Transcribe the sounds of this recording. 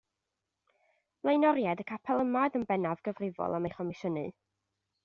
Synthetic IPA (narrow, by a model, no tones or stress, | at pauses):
b̥lˠejnɔɾjadəkʰapʰɛlˠəmadənbɛnavɡ̥əvrɪvɔ̰lˠamejχɔmɪʃənɨ